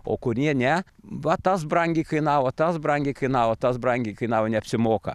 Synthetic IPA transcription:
o̰ːkʊɾʲjiɛnʲɛ | ʋɐt̪ɐsbrɐŋʲɡʲɛɪkɐɪnɑːʋot̪ɐsbrɐŋʲɡʲɛɪkɐɪnɑːʋoːt̪ɐsbrɐŋʲɡʲɛɪkɐɪnɑːʋonʲɛɐpʲsʲɪmoːkɐ̰

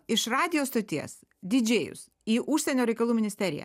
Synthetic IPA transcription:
ɪʃɾɑːd̪ʲɪjoːst̪oːt̪ʲiɛs | d̪ʲɪd͡ʒʲeːjʊ̰s | iːʔʊʃʲsʲɛnʲoːɾʲɛɪkɐlˠuːmʲɪnʲɪsʲt̪ʲɛɾʲɪ̰jæ̰ː

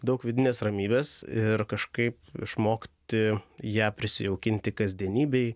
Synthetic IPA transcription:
d̪ɐʊkʋʲɪd̪ʲɪnʲeːsrɐmʲiːbʲeːsɪɾkɐʃkɐɪpɪ̰ʃmoːkʲt̪ʲɪjæːpʲɾʲɪsʲɪ̰jɛʊkʲɪnʲt̪ʲɪkɐzʲd̪ʲiɛnʲiːbʲɛɪ

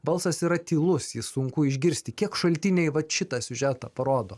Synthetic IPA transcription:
bɐlˠsɐsiɾɐt̪ʲiːlˠʊsjɪsʊŋkʊɪʒʲɡʲɪɾʲsʲt̪ʲɪkʲiɛkʃɐlʲt̪ʲɪnʲɛɪʋɐʃʲɪt̪ɑːsʲʊʒʲæːt̪ɐːpɐɾoːd̪oː

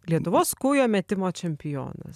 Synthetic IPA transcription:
lʲiɛt̪ʊʋoːskuːjoːmʲɛt̪ʲɪmoːt͡ʃʲɛmʲpʲɪjo̰ːnɐ̰s

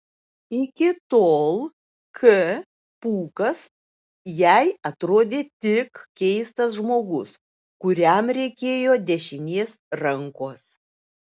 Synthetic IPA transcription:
ɪkʲɪt̪oːlˠ | kʰə | puːkɐs | jɛɪɐt̪ɾoːd̪ʲeːt̪ʲɪkkʲɛɪst̪ɐsʒmoːɡʊs | kʊɾʲɛmɾʲɛɪkʲeːjoːd̪ʲɛʃʲɪnʲeːsɾɐŋkoːs

